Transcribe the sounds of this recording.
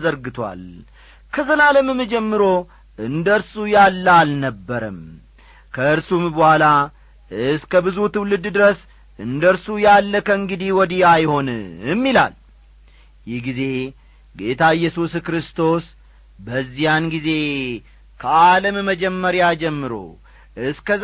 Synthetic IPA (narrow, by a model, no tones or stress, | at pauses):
zəɾɡɨt̪ʰwa̰l | kʰəzəlaləmɨmɨd͡ʒɛmːɨɾo̞ | ɨnd̪əɾsujalːalnəbːəɾəm | kʰəɨɾsumbəhʷala | ɨskəbɨzut̪ɨwlɨd̪d̪ɨɾəs | ʔɨnd̪əɾsujalːəkʰəɨŋɡɨd̪iwɔd̪iajho̞njɪmːila̰l | jɪhɡize̞ | ɡe̞t̪ʰaɨjːɛsuskɾɨst̪ʰo̞s | bəzːijanɡize̞ | kʰəaləmməd͡ʒɛmːəɾjad͡ʒɛmːɨɾo̞̰ | ɨskəz